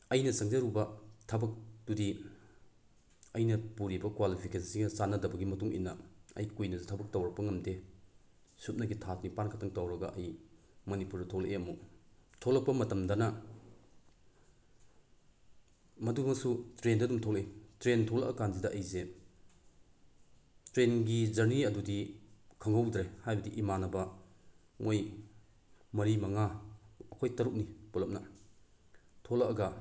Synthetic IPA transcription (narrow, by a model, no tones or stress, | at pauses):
ɐjnɐsɐŋzɐɾubɐtʰɐbɐk̚tudi | ɐjnɐpuɾibɐkwalipʰikesisiŋnɐsanːɐdɐbɐɡimɐtuŋḭnːɐɐjkujnɐsutʰɐbɐk̚tɐwɾɐk̚pɐŋɐmde | sup̚nɐɡitʰatnipankʰɐtʰɐŋtɐwɾɐɡɐʔɐj | mɐnipuɾdɐtʰol̰ʔeɐmutʰolɐk̚pɐmɐtɐmdɐnɐ | mɐdumɐsutɾendɐdumtʰɔletɾentʰɔlɐ̰ʔɐ̰kanzidɐʔɐjze | tɾenɡizɐniɐdudikʰɐŋɐwdɾehajbɐdiʔimanɐbɐ | mʔoj | mɐɾimɐŋaɐkʰojtɐɾuk̚nib̥ɔlɐp̚nɐ | tʰɔlɐkːɐɡɐ